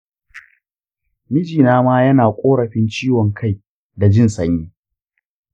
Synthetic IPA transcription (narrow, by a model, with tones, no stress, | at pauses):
mɪ˦d͡ʒiː˨naː˦maː˦jɐ˦naː˨kʷʼoː˦ɽɐ˨ɸɪ˦nt͡ʃiː˦wɔ˨ŋkʰa˦j | da˨d͡ʒɪ˦nsɐ˦ɲjiː˦